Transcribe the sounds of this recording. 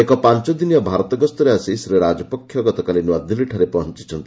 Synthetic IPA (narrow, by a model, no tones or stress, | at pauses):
ekɔpant͡ʃɔd̪inijɔbʱaɾɔt̪ɔɡɔst̪ɔɾeasisɾiɾad͡ʒɔpɔkʰːjɔɡɔt̪ɔkalinwad̪iliʈʰaɾepɔɦɔnt͡ʃi̥t͡ʃʰɔnt̪i